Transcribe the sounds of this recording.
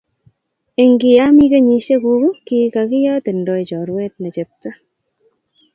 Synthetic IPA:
e˨ŋɡɪ˨ja˦mi˦ke˦ɲi˧ʃe˦ku˦ku˦ki˦ka˨kɪ˦ja˦te˨ndɔ˦i˨t͡ʃɔ˨ɾwɛ˦t̚ne˨t͡ʃe˨p̚ta˦

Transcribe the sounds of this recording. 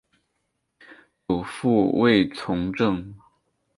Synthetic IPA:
jo˨˩ʊfu˥˧we˥˩ɪt͡sʰʊ˧˥ŋʈ͡ʂɤ˥˩ŋ

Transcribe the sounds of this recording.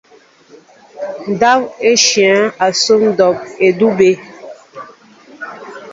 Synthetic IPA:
n̩˨da˦pe˦ʃjɛ̃˨˦a˨so˦ŋ˦dɔ˨p̚e˨du˦be˦

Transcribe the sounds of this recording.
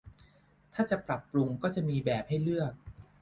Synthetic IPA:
t̪ʰaː˥˩t͡ɕa˨˩pɾa˨˩pːɾu˧ŋkɔː˥˩t͡ɕa˨˩miː˧bɛː˨˩p̚ha˥˩jlɯ˥˩ək̚

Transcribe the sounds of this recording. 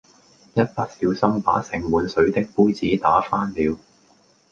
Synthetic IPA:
jɐ˥t̚pa˨˥k̚si˨˧wsɐ˥ŋpa̰ː˨˥sɪ˨˩ŋwuː˨˧nsɵ˨˥ɥt̪ɪ˥k̚puː˥jt͡siː˨˥t̪aː˨˥faː˥nliː˨˧w

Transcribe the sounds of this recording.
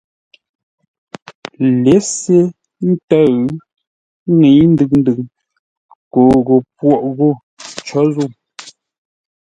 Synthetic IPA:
le˨˦se˦ | n̩˦tə˦ | ŋe˨˦n̩˦dɨ˨n̩˦dɨ˨ | ko˨ɣo˨pwɔ˦˨ʔɣo˦˨ | t͡ʃɔ˨˦zu˦˨

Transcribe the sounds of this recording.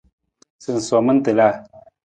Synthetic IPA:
sɨ˨n̩˨sɔ˨mə˦n̩˦te˨la˦˨

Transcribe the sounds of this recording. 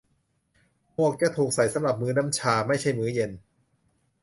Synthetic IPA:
mu˥˩ək̚t͡ɕa˨˧˩t̪ʰuː˨˩k̚sa˨˩jsa˨˦mɾa˨˩p̚mɯː˦˥na˦˥mt͡ɕʰaː˧ma˥˩jt͡ɕʰa˥˩jmɯː˦˥je˧n

